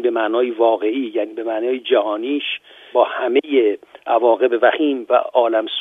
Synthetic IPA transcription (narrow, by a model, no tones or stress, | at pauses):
ibe̞mæʔnɒːjevɒːɣe̞ʔiːjæːniːbemæʔnɒːjed͡ʒæhɒːniːʃ | b̥ɒːhæmejeʔævɒːɣe̞bevæxiːmvæ̰ɒːlæms